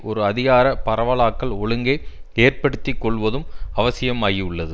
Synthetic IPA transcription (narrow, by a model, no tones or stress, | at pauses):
ʔɔɾɯɐðɪɣaːɾɐpɐɾɐʋɐɭaːkːɐɭɔɭɯŋɡeːeːrpɐɽɯt̪ːɪkːɔɭʋɐðɯmɐʋɐsɪjɐmaːjiʊɭːɐðɯ